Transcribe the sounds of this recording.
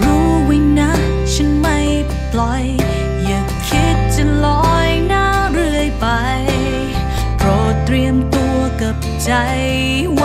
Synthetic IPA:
ɾuː˦wi˧na˥ | t͡ɕʰɨ˧˥nma˧j | plɔ˧˥j | ja˨˩ŋkʰi˦˥t̚t͡ɕə˧ŋlɔ˧˦jnaː˥ɾɯ˧əjpa˧j | pɾɔ˨˩t̪ɾi˧əmt̪u˧əka˧˩p̚t͡ɕa˧j | w

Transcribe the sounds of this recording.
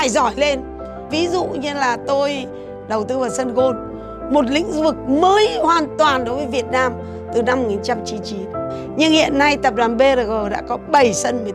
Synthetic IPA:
a˧˩jzɔ˧˩jle˧n | vi˨˦zṵ˧˨ɲɨ˧laː˨˩t̪o˧j | ɗə˨˩wt̪ɨ˨˧vaː˨˩wsə˧nɣo˧n | mo˨˩t̬̚lḭ˧˥ŋ̟vɨ˨˩k̚məː˨˦jhwaː˨˩nt̪waː˨˩nɗo˨˦jvəː˨˦jvi˨˩ət̚naː˧m | t̪ɨ˨˩na˧m̚˨˩ɲi˨˩t͡ɕa˧mt͡ɕi˨˦nt͡ɕi˨˦n | ɲɨ˧ŋhḭ˧˨ənːa˧jt̪ə˨˩p̚ɗwaː˨˩nɓe˧ɾə˨˩ɣə˨˩ɗa̰ː˧˥kɔ˨˦ɓə˧˩jsə˧nmi˨˩

